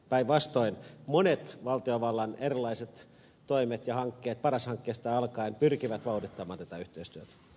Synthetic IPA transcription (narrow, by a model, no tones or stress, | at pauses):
pæiʋʋɑst̪oinmonet̪ʋɑlt̪ioʋɑlːɑnerilːˑɑiset̪ | t̪oimet̪jɑhɑŋkːeːt̪̚pɑrɑshɑŋkːeːst̪ɑɑlkɑinpyrkiʋæt̪ʋɑurit̪ːɑmɑːnt̪æt̪æyht̪eist̪yøt̪æ̥